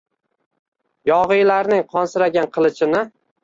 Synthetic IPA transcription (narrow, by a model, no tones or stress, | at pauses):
jɒʁɨjlaɾnɪŋqʰɒnsɪɾaɡʲanqʰɨlˠɪt͡ʃʰɪnɪ